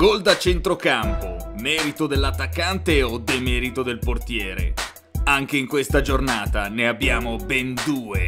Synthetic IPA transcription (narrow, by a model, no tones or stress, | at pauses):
ɡold̪at͡ʃent̪ɾokampomɛːɾit̪od̪elːat̪ːakːant̪eod̪emɛːɾit̪od̪elport̪jɛːɾḛ | aŋk̟eiŋkwest̪ad͡ʒornaːt̪aneabːjaːmobɛnd̪uːe